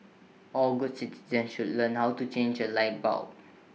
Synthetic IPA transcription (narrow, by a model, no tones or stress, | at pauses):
ʔɔlɡud̚siti̥zə̃nsʃudlə̃nhawtut͡ʃẽnd͡ʒəlaɪt̚ba̰ʊ